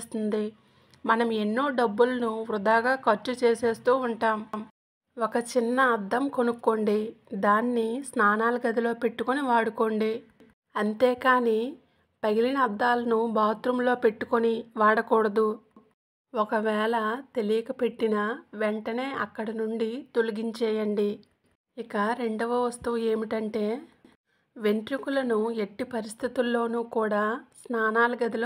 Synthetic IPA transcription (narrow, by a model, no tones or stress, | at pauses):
st̪und̪i | mɐnɐme̞nːoːɖɐbːulɐnuʋɾud̪aːɡaːkɐɾt͡ʃːut͡ʃeːseːst̪uːuɳʈaːmm | okɐt͡ʃinːɐːd̪ːɐmko̞nukːo̞ɳɖid̪aːnːisnaːnaːlɐɡɐd̪ʱilo̞ːpe̞ʈːukoniʋaːɽuko̞ɳɖi | ɐnt̪eːkaːniː | pɐɡilinɐd̪ːaːlɐnubaːt̪ɾumlo̞ːpe̞ʈːukoniʋaːɽɐkɔːɽɐd̪u | ɔkɐʋɛːɭɐt̪e̞lijɐkɐpe̞ʈːinɐʋeɳʈɐne̞ːʔɐkːɐɽɐnuɳɖit̪o̞luɡiɲt͡ʃɛːjɐɳɖi | ikɐɾe̞ɳɖɐʋɐʋɐst̪uːe̞ːmiʈɐɳʈe̞ː | ʋe̞ɳʈ̪ɾikulɐnueʈːipɐɾist̪ʰit̪ulːo̞ːnuːkuːɽaːsnaːnaːlɐɡɐd̪ɐl